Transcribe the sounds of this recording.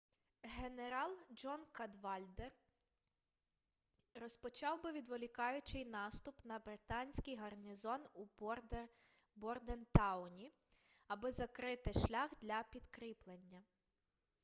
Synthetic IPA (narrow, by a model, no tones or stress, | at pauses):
ɦe̞neɾɑlˠd͡ʒɔnkɐd̪ʋɑlʲd̪er | rɔspɔt͡ʃɑwbɪʋʲid̪ʋɔlʲikɑjʊt͡ʃɪjnɑst̪ʊpnɐbɾɪt̪ɑnʲsʲkijɦɐrnʲizɔnu | bɔrd̪ɛnt̪ɑwnʲi | ɐbɪzɐkɾɪt̪ɪʃlʲaxd̪lʲɐpʲid̪kɾiplˠenʲːɐ